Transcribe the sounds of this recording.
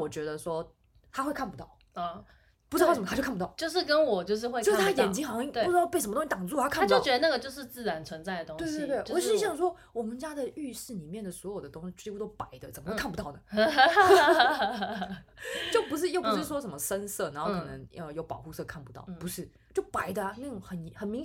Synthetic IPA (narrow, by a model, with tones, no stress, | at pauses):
wɔ˨˩t͡ɕɥɛ˧˥d̪ə˧ʂwɔ˥ | t̪ʰa˥xwe˥˧ɪkʰa˥˩pu˧˩t̪ɑ˥˩ʊ˥˩ | pu˧˥˩ə˨˩mə˧˥o˥˧kʰa˥˩u˧˥t̪ɑ˥˩t͡ɕjo˥˧ʊʂ̬ɻ̩˥˩kə˦nwɔ˨˩t͡ɕjo˥˧ʊʂ̬ɻ̩˥˧xwe˥˧o˥˧ʂ̩ʰ˥a˥jɛ˨˩nt͡ɕi˥ŋxɑ˧˥ŋ˥i˥˩˥u˥˩ʈ͡ʂɻ̩˥˧ʊpe˥˩ʂə˧mə˧t̪o˥ŋ˥i˥t̪ɑ˨˩ŋt͡su˥˧t̪ʰa˥kʰa˥˨˥pt͡ɕo˥˩t͡ɕɥɛ˧˥d̪ə˧na˥˩ɡə˩t͡ɕjo˥˧ʊʂɻ̩˥˧t͡sɹ̩˥˩ɻa˧˦nt͡sʰwə˧˦nt͡sa˥˩ɪd̪ə˩o˥ŋwe˥˧ɪt̪e˥˧˩t̪we˥˩ʔɔ˨˩˥ɕjɑ˥˩ŋʂ̬wɔ˥ | wɔ˨˩mə˧˦nt͡ɕja˥d̪ə˨y˥˧ʂɻ̩˥˩ni˨˩mjɛ˥˩nd̪ə˩swɔ˧˥jo˨˩ʊd̪ə˩t̪ʊ˥ŋɕi˧˥t͡ɕu˥˧˩o˥ʊpa˨˩˦ɪd̪ə˧t͡sə˨˩mə˦xwe˥˧kʰpu˧t̪ɑ˥˩ʊnə˩˥ | t͡ɕjo˥˩ʊpu˧˥ʂ̬ɻ̩˥˧jo˥˩ʊppu˧˥ʂ̩˥˩wɔ˥ʂə˧˦mə˧ʂə˥nsɤ˥˩na˧˦xo˥˧ʊkʰɤ˧˨˩nə˧˦ŋə˧jo˧˩ʊpɑ˨ʊxu˥˧sɤ˥˧kʰa˥˩npu̥˧˦t̪ɑ˥˩ʊpu˧˥ʂɻ̩˥˩ | t͡ɕjo˥˩ʊpa˨˥ɪd̪ə˧˥ə˥˩ŋxə˨˩nxə˨˩nmi˧˥ŋ